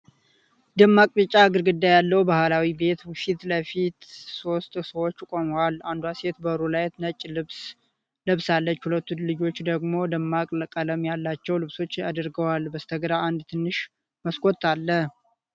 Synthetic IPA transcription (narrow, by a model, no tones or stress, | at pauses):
d̪ɨmːakʼbɨt͡ʃʼːaɡɨɾɡɨd̪ːajalːəwbahlawibe̞t̪fit̪ləfit̪so̞st̪ʼsəwot͡ʃːkʼo̞məwaland̪uase̞t̪bəɾulajt̪nət͡ʃʼːlɨs | lɨβsalːət͡ʃːhulət̪ːulɨd͡ʒo̞t͡ʃːd̪əɡmo̞d̪ɨmːakʼləkʼələmjalːat͡ʃːɛwlɨβso̞t͡ʃːa̰d̪ɨɾɡəwalbəst̪ʰəɡəd̪aʔand̪t̪ʰɨnːɨʃ | məskʼo̞t̪ʰːalːəh